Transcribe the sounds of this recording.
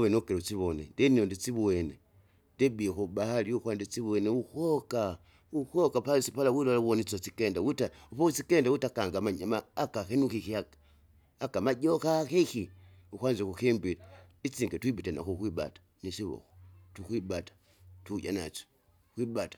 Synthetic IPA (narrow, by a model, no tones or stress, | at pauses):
uβenokeɾut͡siβonendeniondit͡siβwene | ndebiekuɓahaliukwandit͡siβweneukoka | ukokapalisipalawilolawonit͡sot͡sikendawutaupout͡sikendawutakaŋɡamaɲamaːkakenukikiakḁ | akamaɟokakixi | ukwaːnd͡ʒekuximbilait͡siŋɡetwiɓitana̰kukwiɓa̰tḁnisiβo̰xo̥tukwibatḁ | tuɟa̰na̰t͡ʃo̥ | kwibatḁ